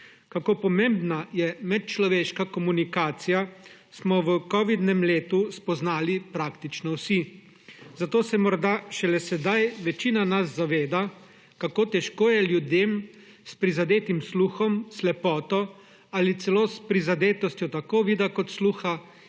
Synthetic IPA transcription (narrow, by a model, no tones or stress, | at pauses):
kakoːpɔmeːmbnajɛmɛt̪̚t͡ʃlɔʋeːʃkakɔmunikaːt̪sija | smɔʋəkɔʋid̪nɛmleːt̪uspɔznaːlipɾaːkt̪it͡ʃnɔwsi | zat̪oːsɛmɔɾd̪aʃɛlɛsɛd̪ajʋɛt͡ʃiːnanazːaʋeːd̪a | kakoːt̪ɛʃkoːjɛljud̪eːm | spɾizad̪eːt̪imsluːxɔmslɛpɔːt̪ɔ | alit̪sɛloːspɾizad̪eːt̪ɔst̪jɔt̪akoːʋiːd̪akɔt̪sluːxa